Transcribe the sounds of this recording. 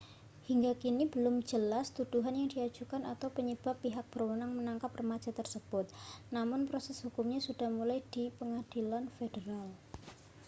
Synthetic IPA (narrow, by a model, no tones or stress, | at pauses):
hiŋɡakinib̥əlʊmd͡ʒəlast̪ud̪̥uɦanjaŋd̥iḁd͡ʒ̥ukanat̪awpəɲəb̥a̤pːiɦak̚b̥ərwənaŋmənaŋkaprəmḁd͡ʒ̥a̤t̪ərsəb̥ʊt̪̚namʊnpɾosɛsɦukʊmɲasud̥ahmulajd̥ipəŋad̥ilanfedəɾal